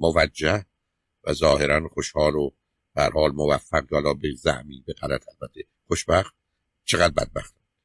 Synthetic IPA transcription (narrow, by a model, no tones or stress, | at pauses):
movæd͡ʒːæh | væ̰zɒːheɾænχoʃhɒːɾo | b̥ehæ̰ɾhɒːlmovæfːæɡjɑːlɒːbezæ̰hmiːbeɣælæt̪ʰælbæt̪ʰːe | χoʃbæxt̪̚ | t͡ʃʰeɣæd̪̚bæ̰d̪̚bæ̰xt̪ɑ̥ː